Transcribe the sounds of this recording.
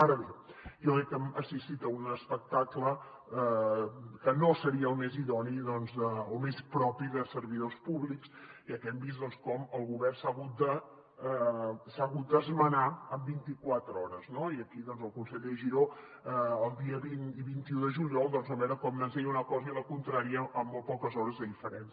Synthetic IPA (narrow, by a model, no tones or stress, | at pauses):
aɾəβejɔkɾɛkːəməsist̪it̪əunəspək̚t̪aklə | kənosəɾiəːlˠmeziðɔniðɔnzəomespɾɔpiðəsəɾβiðospuβliksiəkɛmbist̪d̪ɔnskɔməlˠɣuβɛrsaɣut̪̚d̪ə | saɣut̪̚d̪əzmənaəmbint̪ikwat̪ɾɔɾəznoiəkiðɔnzəlˠkunsəʎeʒiɾo | əːlˠd̪iəβiniβint̪iuðəʒuʎiɔlˠd̪ɔnzəβɛɾəkɔmnənzɛʎunəkɔzəiləkunt̪ɾaɾiəʔːmːolˠpɔkəzɔɾəzðəðifəɾɛns